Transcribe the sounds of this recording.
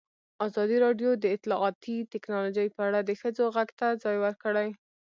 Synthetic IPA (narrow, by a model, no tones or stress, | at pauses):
ɑzɑd̪iɾɑɖjod̪əɪt̪lɑʔɑt̪it̪ɪknɑlod͡ʒajpəaɽad̪əxəd͡zoɣaɡt̪ad͡zɑjwəɾkəɽaj